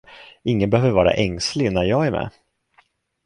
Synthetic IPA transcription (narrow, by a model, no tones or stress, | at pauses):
ɪŋːənbɛhøːvəɾvɑːɾa̰ʔɛŋslɪnæɾjɑːɡæɾmɛ̰ː